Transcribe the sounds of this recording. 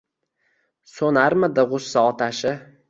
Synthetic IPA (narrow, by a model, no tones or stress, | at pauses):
sonaɾmɪd̪ɪʁʊsːaɒt̪ʰaʃɪ